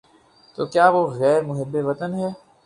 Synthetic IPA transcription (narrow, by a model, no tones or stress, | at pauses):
t̪oːkjaːʋoɣɛːɾmʊɦɪbːeʋɐt̪ənɦɛː